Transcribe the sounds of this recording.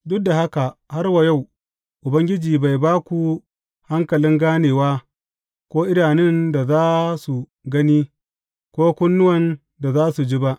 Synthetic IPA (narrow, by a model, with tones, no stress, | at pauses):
dʊ˦da˨ha˦ka˨ha˦rwa˨ja˦˨w | ʔʊ˨bɐ˦ŋɡʲɪ˦d͡ʒiː˨ba˨jbaː˦kʷu˨ | ha˦ŋkɐ˨lɪ˦ŋɡaː˦neː˨waː˦ | kʷoː˦ʔɪ˦ɽaː˨nɪ˦nda˨zaː˦su˨ | ɡɐ˦niː˦ | kʷoː˦kʷʊ˦nːʊ˦wɐ˨n | da˨zaː˦su˨d͡ʒi˦ba˦ʔ